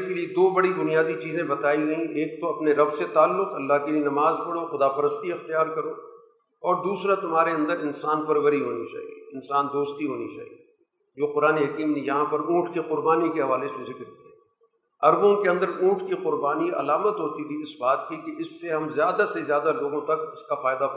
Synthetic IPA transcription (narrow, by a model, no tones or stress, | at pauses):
kelied̪oːbɐɽibʊnijaːd̪it͡ʃiːzẽbɐt̪aːiɡɐĩʔeːk̚t̪oɐpneɾɐbset̪aːlːʊqɐlːaɦkelienɐmaːzpɐɽoxʊd̪aːpɐɾəst̪iɪxt̪ijaːɾkɐɾoː | ɔːɾd̪uːsɾat̪ʊmɦaːɾeɐ̃nd̪əɾɪnsaːnfɐɾʋəɾiɦoːnit͡ʃa̰ːɦḭeɪnsaːnd̪oːst̪iɦoːnit͡ʃa̰ːɦḭi | d͡ʒoːqʊɾaːneɦɐkiːmnejɐɦãpɐɾũːʈkiqʊɾbaːnikeɦɐʋaːlesezɪkɾkiɛː | ɐɾbõkeɐ̃nd̪əɾũːʈʰkiqʊɾbaːniʔɐ̰laːmət̪ɦoːt̪it̪ʰiɪsbaːt̪kikeʔɪsːeɦɐmzjaːd̪asezjaːd̪aloːɡõt̪ɐkʊskafaːɪd̪a